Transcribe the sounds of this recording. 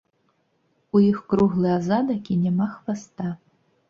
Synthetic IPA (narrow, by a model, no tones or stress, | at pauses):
uixkɾuɣlˠɨazad̪ɐkʲinʲɛmaxvast̪a